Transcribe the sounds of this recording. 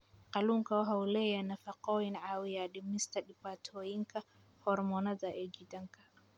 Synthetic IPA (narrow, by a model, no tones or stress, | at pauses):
qaluŋkawɔɦawlɛjanafaqɔinʕawijaɗimnistaɗipatʰojiŋka | hɔɾmɔnadaʔɛɡidaŋkḁ